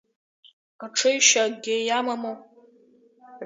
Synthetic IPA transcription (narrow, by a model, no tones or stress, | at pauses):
aʈ͡ʂʰɨjʃaɡʲejamamow